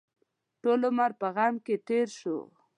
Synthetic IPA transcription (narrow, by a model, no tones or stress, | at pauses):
ʈolomaɾpəɣamket̪eɾʃo̰